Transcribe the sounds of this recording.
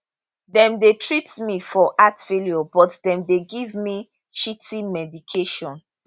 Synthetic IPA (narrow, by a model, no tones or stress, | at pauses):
dɛ̃mdetɹitmifɔʔatfeljobɔtdɛ̃mdeɡivmi | ʃitʰĩmɛdikʰeʃɔ̃n